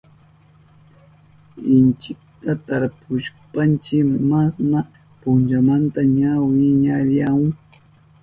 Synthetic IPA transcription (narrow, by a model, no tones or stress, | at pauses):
ɪnt͡ʃɪk̚t̪at̪aɾpʊʃpant͡ʃɪmasna | pʊnt͡ʃamant̪aɲawɪɲaɾjaŋ